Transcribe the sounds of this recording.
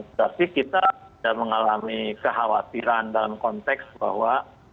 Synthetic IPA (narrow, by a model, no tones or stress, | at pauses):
t̪apikit̪aidaʔməŋalamikəɦawat̪iɾandalamkɔnt̪ɛksba̰hwa